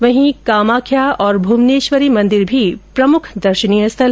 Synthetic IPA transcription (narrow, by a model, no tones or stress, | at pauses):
ʋɐɦĩkaːmaːkʰjaɔːɾbʱumneːʃʋəɾimɐ̃nd̪ɪɾbʱipɾɐmʊkʰd̪ɐɾʃənijəst̪ʰɐl